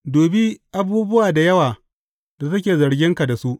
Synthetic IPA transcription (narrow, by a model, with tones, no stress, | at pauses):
doː˨bi˦ʔa˦buː˦bʊ˦waː˨da˨jɐ˦waː˨ | da˨s̬ɐ˦kʲeː˨zɐ˨ɽɡʲɪ˦ŋka˨da˨su˦ʔ